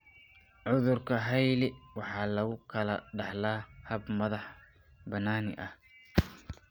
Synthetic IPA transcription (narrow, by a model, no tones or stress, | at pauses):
ʕʊðʊrkʰɐɦɛjlɪwɑħɑːlɐɣʊkʰɐlɐɖɑħlaːhɐbmɐðɑħ | bɐnaːnɪ̰ʔɐh